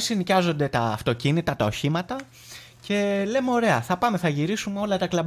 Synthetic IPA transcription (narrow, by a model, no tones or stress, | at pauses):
sinicɐzo̞nd̪e̞t̪ɐːft̪o̞cinit̪ɐt̪ɐo̞çimɐt̪ɐ | ce̞le̞meo̞ɾe̞ɐθɐpɐme̞θɐʝiɾisumeo̞lɐt̪ɐklɐb